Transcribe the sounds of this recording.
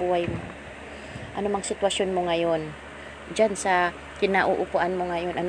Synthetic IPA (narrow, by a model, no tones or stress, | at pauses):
uːhajmo | ʔɐnomɐŋsɪt̪wɐsjonmoŋɐjon | d͡ʒansɐ | kɪnaʔʊʔʊpʊʔanmoŋɐjo̞nʔɐn